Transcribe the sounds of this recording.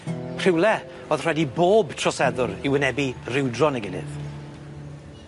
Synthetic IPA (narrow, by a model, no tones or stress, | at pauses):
pʰr̥ɪwlˠɛ | oːðr̥wɛdiboːbtʰr̥ɔsɛðʊɾɪwənɛbirɪwdrɔnəɡɪnɪ̰ð